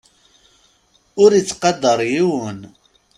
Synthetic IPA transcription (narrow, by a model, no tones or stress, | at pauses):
ʊɾit͡sːqɑd̪ːəɾˤjiwən